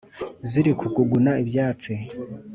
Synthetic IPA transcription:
ziɾikʰuɡuɡunaibjaːt͡si

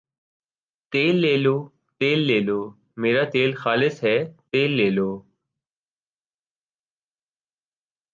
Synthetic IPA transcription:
t̪eːlːeːloː | t̪eːlːeːloː | meːɾaːt̪eːlxaːlɪsɦɛːt̪eːlːeːloː

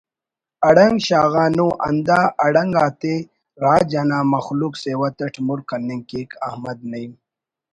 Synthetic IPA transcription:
ɐɽɐŋɡɕaːɣaːnuʔɐ̰nd̪aːɐɽɐŋɡaːt̪e | ɾaːd͡ʒanaːmɐxlukseːwɐt̪ɐʈʰmuɾkɐnːiŋkeːkɐhmɐd̪̚nɐjm

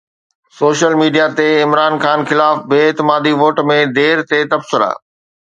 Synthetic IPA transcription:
soːʃəlmiːɖijat̪eɪmɾaːnxaːnxɪlaːfbeːɪt̪ɪmaːd̪iʋoːʈmẽd̪eːɾt̪et̪ɐbsɪɾa̰ː

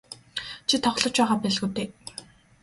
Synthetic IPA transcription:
t͡ɕʰit̪ʰɔχɮɞ̆t͡ɕpæːʁaːpæːɮɣuːt̪eː

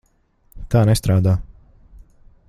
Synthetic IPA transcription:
t̪aːnɛst̪ɾaːd̪aː

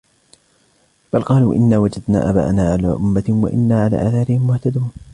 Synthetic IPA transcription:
b̥alqɑːluːʔɪnːaːwad͡ʒad̪na̰ːʔaba̰ːʔnaːʕalaːʔʊmːawa̰ʔɪ̰nːaːʕala̰ːʔaːθaːɾɪhɪmːʊht̪ad̪uːn

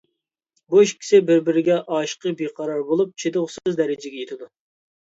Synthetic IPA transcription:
boʃkʲʰɪ̥sɪbɪɾbɪɾɪɡʲɛʔɑːʃqəbeqʰɑɾɑɾbolˠup̚t͡ʃʰed̪ʊʁszd̪ɛɾɪd͡ʒɪɡʲɛjet̪ʰɪd̪u

